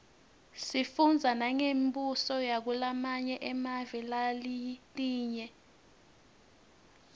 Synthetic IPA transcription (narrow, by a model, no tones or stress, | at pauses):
sifund͡zʱanaŋembusɔjak̬ulamaɲɛʔɛmavɛlaliliːɲɛ